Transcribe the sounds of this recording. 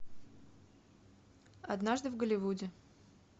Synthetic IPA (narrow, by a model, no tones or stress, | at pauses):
ɐd̪naʐd̪ɨvɡəlʲɪvudʲɪ